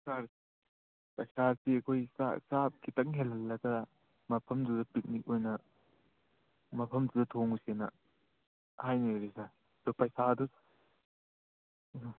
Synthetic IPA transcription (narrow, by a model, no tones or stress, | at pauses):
ɐsaɾ | pɐsaɾsiɐkʰojsa̰sap̚kʰitɐŋɦelːɐlːɐɡɐ | mɐpʰɐmdudɐpik̚nik̚ojnɐ | mɐpʰɐmdudɐtʰoŋsenɐ̰ | hajniɾisa | dupɐjsadu